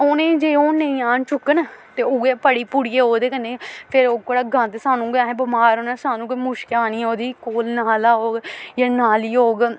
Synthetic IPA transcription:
oːnẽːd͡ʒeːoːnə̃ĩːaːnt͡ʃʊkːənt̪eːʊːɡeːpəɽiːpuɽiːeːoːd̪eːkənːeːpʰɪɾoːkoɽaːɡʱə̃nd̪saːnũːɡãːɦẽːbəmaːɾoːnaːsaːnũːkomʊʃkaːniːoːd̪iːkoːlnaːlaːɦoːɡjaːnaːliːɦoːɡ

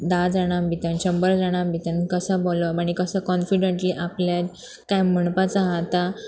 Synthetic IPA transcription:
d̪ad͡zaɽ̃ambʱit̪ənɕəmbəɾd͡zaɽ̃ambʱit̪ənkəsaboləmaɽ̃ikəsakɔnfiɖəɳʈliːʔapljad̪ | kajm̤əɳpat͡saɦat̪a

